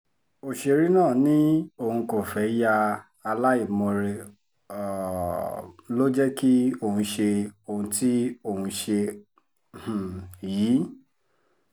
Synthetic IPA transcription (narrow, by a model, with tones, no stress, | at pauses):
o˨ʃe˧ɾi˦nãː˦˨nĩ˦o˧˨hũ˧ko˨fɛ˨˦ja˧ | a˧la˦i˦˨mɔ̃˧ɾe˧ | ɔ˨ | lo˦d͡ʒɛ˦ki˦o˧˨hũ˧ʃe˧o˧˨hũ˧ti˦o˨hũ˧ʃe˧˨ | jiː˨˦